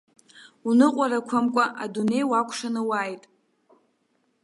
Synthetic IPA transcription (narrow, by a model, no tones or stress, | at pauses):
unɨqʷʼaɾakʷʰamkʷʼaʔadune̞jwakʷʰʂanɨwajtʼ